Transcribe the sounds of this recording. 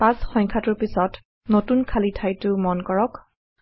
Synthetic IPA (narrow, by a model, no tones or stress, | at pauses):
pãsxɔŋkʰatʊɹpisɔt | notunkʰalitʰajtʊmɔnkɔɹɔk